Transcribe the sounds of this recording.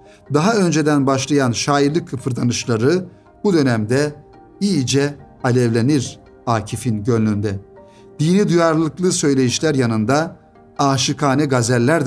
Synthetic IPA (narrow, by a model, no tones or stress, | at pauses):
d̪aɦaø̞nd͡ʒe̞d̪ænbaʃlˠajanʃaːjiɾlˠɯkʰːɯpʰɯɾd̪anɯʃlˠaɾɯ | bud̪ø̞næmd̪ɛ | ijd͡ʒɛ | alʲɛvlʲeniɾ | aːcʰifinɟønlʲynd̪ɛ | d̪̥inid̪ujaɾlˠɯklˠɯsø̞jlʲe̞jiʃlʲæɾjanɯnd̪a | aːʃɯkʰaːnɛɡazælʲːæɾd̪